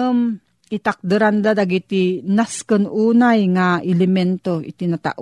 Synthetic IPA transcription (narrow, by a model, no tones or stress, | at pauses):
m | ʔɪt̪ak̚d̪ɨɾand̪ad̪aɡit̪inaskənʔuːnajŋaʔɪlɪmɛnt̪oɪ̰t̪ɪnat̪a̰ʔ